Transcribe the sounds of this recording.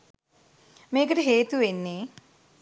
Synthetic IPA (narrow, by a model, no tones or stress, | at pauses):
meːk̬ɐʈiɦeːt̪uʋenːi